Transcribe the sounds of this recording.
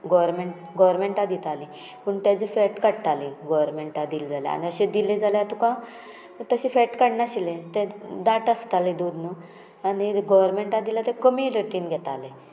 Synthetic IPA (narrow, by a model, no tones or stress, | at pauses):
ɡɔʋɾmeɳʈ | ɡɔʋɾmeɳʈad̪it̪ali | pəɳt̪jad͡zifɛʈkəɽt̪aliɡɔʋəɾmeɳʈad̪ild͡zalḛa̰niəɕed̪iled͡zalet̪ukã | t̪əɕifɛʈkəɽnaɕilet̪ẽd̪aʈəst̪aled̪ud̪nu | aniɡɔʋɾmeɳʈad̪ilat̪ẽkəmiləʈiːnɡʱɛt̪ale